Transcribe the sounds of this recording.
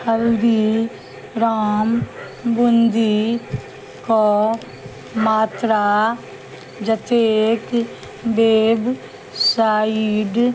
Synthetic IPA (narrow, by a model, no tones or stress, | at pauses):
kəld̪iː | ɾaːm | bʊnd̪iː | koɔː | maːt̪ɾaː | d͡ʒət̪eːk | beːb | saːiːɖ